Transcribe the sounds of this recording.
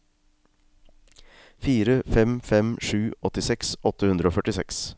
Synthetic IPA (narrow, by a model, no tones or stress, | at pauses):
fiːɾəfɛmfɛmʂʉːɔt̪ɪsɛksɔt̪əhʉnd̪ɾəoːfœʈɪsɛks